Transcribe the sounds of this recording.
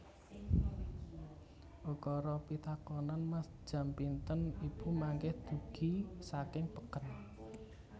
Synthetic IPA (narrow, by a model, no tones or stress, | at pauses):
ʔukɔɾɔpit̪akɔnanmasd͡ʒ̥a̤mpint̪ənib̥umaŋkɛhd̪̥ṳɡ̥i̤sakɪŋpəkən